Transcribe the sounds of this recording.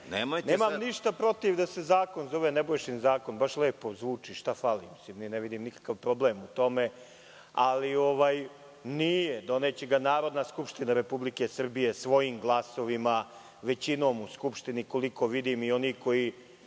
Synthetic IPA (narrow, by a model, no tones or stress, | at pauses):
nemojneːmamniʃt̪apɾo̞t̪iʋd̪ase̞zaːko̞nzo̞ʋenebojʃinzaːko̞nbaʃleːpozʋuːt͡ʂiʃt̪afalimsimnineʋid̪imnikḁkaʋpɾo̞blemut̪o̞me | a̰lio̞ʋaːj | nijed̪o̞net͡ɕeɡanaːɾo̞d̪naskupʃt̪inaɾe̞publikesr̩bije̞sʋo̞jimɡlˠaso̞ʋima | ʋe̞t͡ɕino̞ːmuskupʃt̪iniko̞liko̞ʋid̪imio̞niko̞i